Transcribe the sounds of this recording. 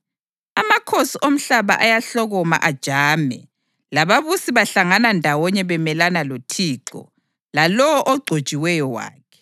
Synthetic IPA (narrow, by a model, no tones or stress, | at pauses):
amakʰosiʔom̩ɬaβa̰ʔajaɬɔɣɔma̰ʔad̥ʒ̥ʱaːmɛ̰ | laβaβusiβaɬaŋanandʱawɔɲɛβɛmɛlanalotʰiːǁɔ̰ | lalɔwɔʔɔɡ͡ǀʱod̥ʒ̥ʱʼiwɛjɔwa̰ːkʰɛ̥